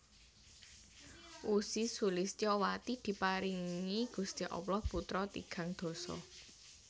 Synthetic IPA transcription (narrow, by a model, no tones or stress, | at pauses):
ʔusisulɪst͡ʃɔwat̪id̪̥i̤paɾiŋiɡ̥ṳst̪iʔɔ̰plɔhput̪ɾɔt̪ḭɡ̥a̤ŋd̪̥ɔ̤sɔ̰